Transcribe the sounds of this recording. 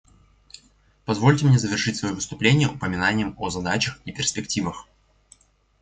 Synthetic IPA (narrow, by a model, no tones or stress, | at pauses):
pɐzvo̞lʲtʲɪmnʲezəvʲɪrʂɨtʲsvɐjovɨst̪ʊplʲenʲɪjəʔʊpəmʲɪnanʲɪjəmozɐd̪at͡ɕəxipʲɪrsʲpʲɪktʲivəx